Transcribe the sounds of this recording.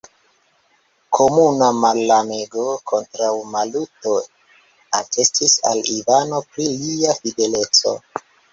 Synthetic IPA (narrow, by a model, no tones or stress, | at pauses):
kʰo̞munamalːame̞ɡo̞kʰo̞ntɾawmaluto̞ | atʰe̞stisa̰livano̞pɾiliafide̞le̞t͡so̞̰